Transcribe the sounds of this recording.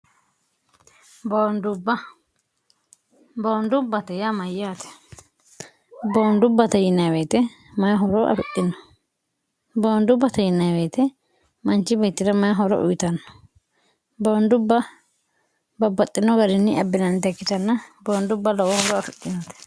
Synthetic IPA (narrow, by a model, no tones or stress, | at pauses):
bɐwnd̪ʊbːɐ | bɐnd̪ʊbːɐt̪ɐjamɐjːaːt̪ɛ̥ | bɐnd̪ʊbːɐt̪ɐjɪnːɐjweːt̪ɛ | mɐjɦɔɾɔʔɐ̰fɪtʼːɪnːɔ | bɐwnd̪ʊbːɐt̪ɐjɪnːɐjweːt̪ɛ | mɐnt͡ʃːɪbɛjt̪ːɪɾɐmɐjɦɔɾɔ̰ʔʊ̰jɪt̪ɐnːɔ̥ | bɐnd̪ʊbːɐ | bɐbːɐt̪ʼːɪnːɔɡɐɾɪnːɪʔɐbːɪnɐnːɪd̪ɛkːɪt̪ɐnːɐbɐwnd̪ʊbːɐlɔwɔhɔɾɔɐfɪtːɪnɐt̪ɛ̥